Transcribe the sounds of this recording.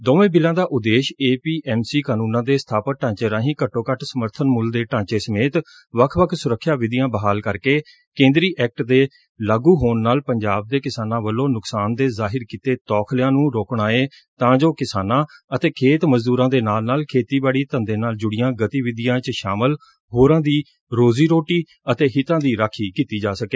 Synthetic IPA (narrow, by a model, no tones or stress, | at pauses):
d̪oːʋẽːbɪlãːd̪aːʔʊd̪eːʃeːpiːʔɛːmsiːkaːnũːnãːd̪eːsə̥t̪ʰaːpət̚ʈãːt͡ʃeːɾãːɦĩːkəʈːoːkəʈʰsəməɾt̪ʰənmʊld̪eːʈãːt͡ʃeːsəmeːt̪ | ʋəkʰʋəkʰsʊɾəkʰːʃjaːʋɪd̪ɪjãːbəɦaːlkəɾkeː | kẽːnd̪ɾiːʔɛːk̚ʈd̪eː | laːɡuːɦoːnːaːlpəɲd͡ʒaːb̚d̪eːkɪsaːnãːʋəlːoːnʊksaːnd̪eːzaːɦɪɾkiːt̪eːt̪ɔːkʰljãːnũːɾoːkɳaːeː | t̪ãːd͡ʒoːkɪsaːnãːət̪eːkʰeːt̪məzd̪uːɾãːd̪eːnaːlnaːlkʰeːt̪iːbaːɽiːt̪ənd̪eːnaːld͡ʒʊɽɪjãːɡət̪iːʋɪd̪ɪjãːt͡ʃʃaːməl | ɦoːɾãːd̪iː | ɾoːziːɾoːʈiː | ət̪eːɦɪt̪ãːd̪iːɾaːkʰiːkiːt̪iːd͡ʒaːsəkeː